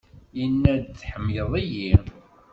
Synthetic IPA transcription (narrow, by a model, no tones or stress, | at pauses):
jənːæd̪t͡sːħəmːjəðˤiji